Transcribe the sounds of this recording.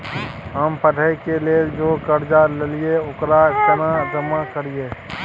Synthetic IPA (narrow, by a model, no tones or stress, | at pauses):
ɦəmpəɖʱəjkeled͡ʒokəɾd͡ʒalelijeokɾaɪst̪ənad͡ʒəmːakəɾije